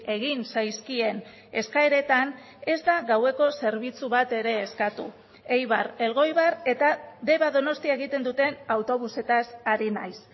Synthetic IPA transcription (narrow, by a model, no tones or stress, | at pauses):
e̞ɣ̞insajskie̞n | e̞skaeɾe̞t̪an | e̞zd̪aɣawe̞ko̞se̞ɾβit͡suβat̪e̞ɾe̞ːskat̪ṵ | e̞jβ̞aɾe̞lɣ̞o̞jβaɾe̞t̪aðe̞βaðo̞no̞st̪iae̞ɣ̞it̪e̞nd̪ut̪e̞nawt̪o̞β̞use̞t̪asaɾina̰js